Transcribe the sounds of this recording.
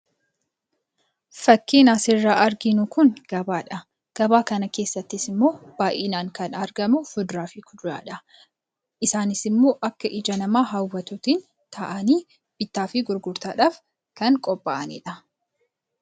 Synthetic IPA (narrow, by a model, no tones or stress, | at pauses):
fɐkːiːnaːsɪrːaːʔɐɾɡɪnʊkʊnɡ̥ɐbaːᶑɐ | ɡ̥ɐbaːkɐnɐke̞ːsːɐt̪ːɪsɪmːo̞ːb̥aːʔiːnaːŋkɐnɐɾɡɐmʊfʊd̪ɾaːfɪkʊd̪ʊɾa̰ːᶑɐ | ʔɪsaːnɪsɪmːo̞ːʔɐkːɐʔɪd͡ʒɐnɐmaːɦɐwːɐt̪ʊt̪ɪn | t̪ʰɐʔɐniː | b̥ɪt̪ːaːfɪɡʊɾɡʊɾt̪aːᶑaːf | kɐŋkʼɔbʼːa̰ːʔɐnḭːᶑɐ